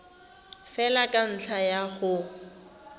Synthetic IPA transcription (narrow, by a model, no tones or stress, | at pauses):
fɛlakʼan̩t͡ɬʰajaɣʊ